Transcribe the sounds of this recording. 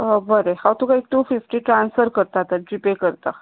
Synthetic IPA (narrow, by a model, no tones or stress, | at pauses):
bəɾehawt̪ukaek̚ʈ̪ũfifʈiːʈɾansfəɾkəɾt̪at̪əd͡ʑipekəɾt̪a